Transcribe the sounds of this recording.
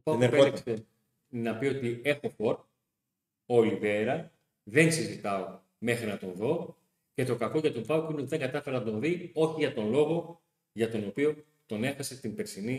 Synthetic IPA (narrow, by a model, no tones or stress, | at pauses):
opɐeɾekse | nɐpio̞t̪ie̞xo̞fo̞ɾt̪̚ | o̞live̞ɾɐ | ðe̞nsizit̪ɐo | me̞xɾinɐt̪o̞nðo̞ | ce̞t̪o̞kɐko̞ʝɐt̪ompɐwkuineo̞t̪iðe̞ŋɡɐt̪ɐfe̞ɾɐnɐt̪õ̞nðio̞çiʝɐt̪o̞nlo̞ɣo̞ | ʝɐt̪o̞no̞pio̞ | t̪o̞ne̞xɐse̞st̪imbe̞ɾsini